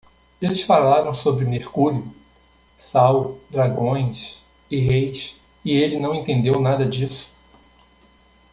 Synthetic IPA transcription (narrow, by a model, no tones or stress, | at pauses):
elɪsfalaɾɐ̃w̃sobɾɪmeχkuɾiʊ | sawd̪ɾaɡõj̃s | ɪɦejs | ɪelɪnɐ̃w̃ẽnt̪ẽnd̪ewnad̪ɐd͡ʒisʊ̥